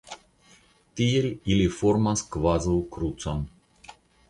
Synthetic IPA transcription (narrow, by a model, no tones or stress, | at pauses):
t̪ijelʲilifoɾmaskvazəlˠkɾut̪san